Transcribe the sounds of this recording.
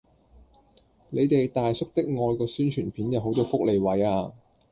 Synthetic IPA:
ne˨˧jt̪e˨jt̪aː˨jsʊ˥k̚t̪ɪ˥k̚ŋɔː˧jkɔː˧syː˥nt͡ʃʰyː˨˩npʰiː˨˥njɐ˨˧wɦo˨˧˥wt̪o˧wfʊ˥k̚le˨jwɐ˨˥jaː˧

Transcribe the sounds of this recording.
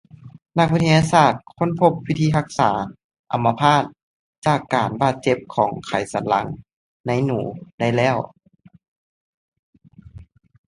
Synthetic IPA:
na˧k̚i˧t̪ʰa˧jaː˧saː˧˩t̪̚kʰo˧˥˨npʰo˧˥p̚wi˧˥t̪ʰiː˧˥ɦa˧˥k̚saː˩˦ | ʔa˨˦mːa˧pʰaː˥˩t̪̚ | t͡ɕaː˧˩kːaː˨˩nbaː˧˩t̪̚t͡ɕe˧˥p̚kʰɔː˩˦ŋkʰa˨˩jsa˨˦nla˧˥ŋ | na˧˥jnuː˩˦da˥˩jlɛː˥˩˨w

